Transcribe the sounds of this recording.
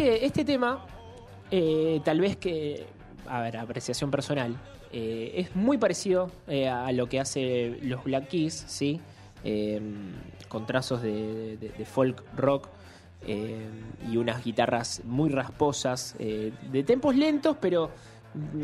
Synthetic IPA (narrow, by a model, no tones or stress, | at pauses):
eest̪e̞t̪e̞ma | et̪alβeske | a̰βeɾapɾesjasjo̞mpeɾso̞nal | eezmujpaɾesiðo̞ealo̞keaselo̞zβlakisːi | emkont̪ɾaso̞zðeðeðefo̞lkro̞k | emiunazɣit̪arasmujraspo̞saseðe̞t̪e̞mpo̞sle̞nt̪o̞speɾo̞